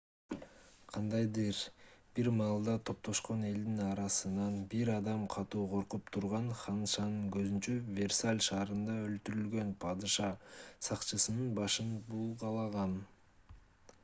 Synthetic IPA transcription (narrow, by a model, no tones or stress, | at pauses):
qʰɑnd̪ɑjd̪ɯɾb̥iɾmɑːlˠd̪ɑt̪ʰo̞p̚t̪o̞ʃqo̞ne̞ld̪inɑɾɑsɯnɑnbiɾɑd̪ɑmqʰɑt̪uːqʰo̞ɾqupt̪ʰuɾʁɑnχɑnʃɑnɯŋɡøzynt͡ʃøvʲe̞rsalʲʃɑːɾɯnd̪ɑø̞lt̪yɾylɡø̞npʰɑd̪ɨʃɑsɑqt͡ʃɯsɯnɯnbɑʃɯnbulˠqɑlˠɑʁɑn